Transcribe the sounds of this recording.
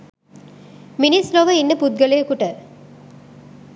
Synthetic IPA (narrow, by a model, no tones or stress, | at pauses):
minisloʋɐinːɐpud̪̚ɡɐlɐjɐkuʈɐ